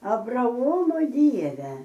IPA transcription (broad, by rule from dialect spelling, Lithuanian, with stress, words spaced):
ɐbrɐˈoːmoː ˈdʲiɛʋʲɛ